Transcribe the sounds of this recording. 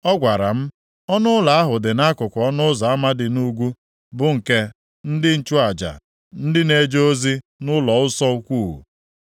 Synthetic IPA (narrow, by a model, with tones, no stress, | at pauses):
ɔ˦ɡʷa˨ɾa˨m̩˦ | ɔ˦nʊ˦ʊ˦la˨a˦ɦʊ˨dɪ˨na˦kʊ˨kʷɔ˦nʊ˦za˨a˦ma˦dɪ˨nu˦ɡʷu˦ | bʊ˨ŋ̩˨ke˦ | n̩˦dɪ˦n̩˨t͡ʃʊ˦a˨d͡ʒa̰˨ | n̩˦dɪ˦ne˦d͡ʒo˦o˦zi˦ | nʊ˦lɔ˨ʊ˦sɔ˦u˦kʷu˦˨ɦṵ˨